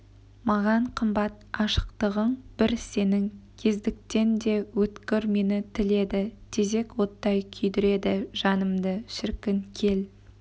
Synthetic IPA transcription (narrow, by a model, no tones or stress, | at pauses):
mɑʁɑɴqʰəmbɑt̪ɑʃə̥qt̪əʁəɴb̥ɪɾse̞nɪŋkʲʰe̞zd̪ɪk̚t̪e̞nd̪e̞wɵt̪kʲɪɾme̞nɪt̪ʰɪle̞d̪ɪt̪ʲʰe̞ze̞kwo̞t̪ːɑjkʲʰʏjd̪ɪɾe̞d̪ɪʒ̥ɑnəmd̪əʃɪɾkʲɪŋkʲʰe̞l